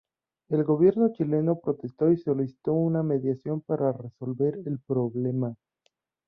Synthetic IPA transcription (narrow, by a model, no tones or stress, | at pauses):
e̞lɡo̞β̞je̞ɾno̞t͡ʃile̞no̞pɾo̞t̪e̞st̪o̞iso̞lisi̥t̪o̞uname̞ðjasjo̞mpaɾareso̞lbe̞ɾelpɾo̞βle̞ma